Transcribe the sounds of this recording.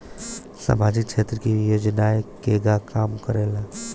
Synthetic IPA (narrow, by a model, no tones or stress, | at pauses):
sa̰mad͡ʒik̚t͡ʃʰet̪ɾəkijoːd͡ʒnaekeɡakaːmkəɾela